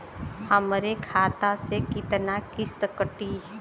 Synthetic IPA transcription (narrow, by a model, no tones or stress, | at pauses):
həmɾekʰaːt̪asekɪt̪nakɪst̪kəʈi